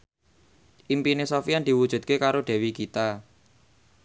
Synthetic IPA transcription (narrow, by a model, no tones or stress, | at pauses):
ʔimpinesɔfiand̪̥i̤wud̥ʒ̥ṳd̪̚kekaɾoɖ̥̪ɛ̤wikit̪a